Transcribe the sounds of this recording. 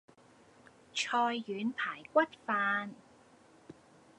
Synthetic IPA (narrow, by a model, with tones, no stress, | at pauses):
t͡ʃʰɔː˧jːyː˨˧npʰaː˨˩jkʷɐ˥t̚faː˧n